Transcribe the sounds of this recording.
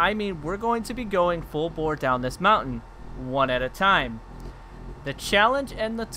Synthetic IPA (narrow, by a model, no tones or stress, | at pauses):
aɪmĩnwɪɹɡoʊɪ̃ŋtʰɨbiɡoʊɪ̃ŋfʊlˠbɔɹdãʊ̃nðɪsmãʊ̃nn̩ | wʌ̃nɨɾɨtʰãɪ̃m | ðɨt͡ʃʰælˠə̃nd͡ʒɨ̃nðətʰ